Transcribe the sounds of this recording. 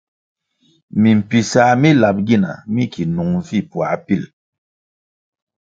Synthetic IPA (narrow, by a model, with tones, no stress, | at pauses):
mi˨m̩˨pi˨sa˨˦mi˦la˨p̚ɡi˦˨na̰˨mi˦kʰi˨nu˨ŋvi˦˨pwa̰˨˦pi˦˨l